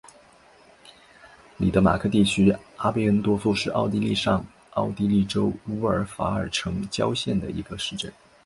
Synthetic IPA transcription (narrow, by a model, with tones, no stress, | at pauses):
li˨˩t̪ɤ˧˥ma̰˨˩kʰɤ˥˧t̪i˥˩t͡ɕʰy˥a˥pe˥˩ɪə˥nt̪wɔ˥t͡swɔ˥˧ʂɻ̩˥˧ʔɑ̰˥˩ʊt̪i˥li˥˧ʂɑ˥˧ŋ | ɑ˥˩ʊt̪i˥li˥˩ʈ͡ʂo˥ʊu˥ə˞˨˥fa̰˧˥ə˞˨˩ʈ͡ʂʰɤ˧˥ŋt͡ɕjɑ˥ʊɕjɛ˥˩nd̪ə̰˩ḭ˧˥ɡə˧ʂɻ̩˥˧ʈ͡ʂə˥˩n